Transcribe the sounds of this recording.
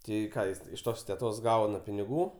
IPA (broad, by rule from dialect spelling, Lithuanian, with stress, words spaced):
ˈtɐɪ ˈkɑː ˈjɪs ɪʃ ˈtoːs tʲɛˈtoːs ˈɡɐʊnɐ pʲɪnʲɪˈɡuː